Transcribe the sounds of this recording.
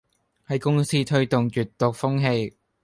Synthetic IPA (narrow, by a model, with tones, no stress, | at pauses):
hɐ˨jkʊ˥ŋsiː˥t̪ʰɵ˥ɥt̪ʊ˨ŋt͡ʃyː˨t̪ːʊ˨k̚fʊ˥ŋɦe˧j